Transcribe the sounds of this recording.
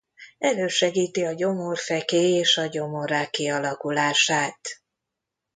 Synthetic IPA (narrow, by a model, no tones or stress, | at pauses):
ɛløːʃɛɡiːt̪iɒɟo̞morfɛkeːeːʃɒɟo̞mo̞ɾaːkːiɒlɒkulaːʃaːt̪